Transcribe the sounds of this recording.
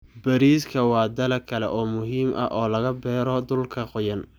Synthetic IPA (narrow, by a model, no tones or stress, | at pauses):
bɐɾiːskʰɐwɑːd̪ɐlɐkʰɐlɛ̰ʔɔːmʊɦiːmʔɐ̰ʔɔːlɐɣɐbɛːɾɔd̪ʊlkʰɐqʊjɐn